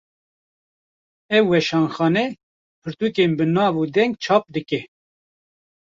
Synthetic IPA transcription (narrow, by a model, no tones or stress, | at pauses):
ɛwwɛʃɑːnxɑːnɛ | pʰɨɾt̪ukeːnbɨnɑːvuːd̪ɛŋɡ̚t͡ʃʰɑːp̚d̪ɨkɛ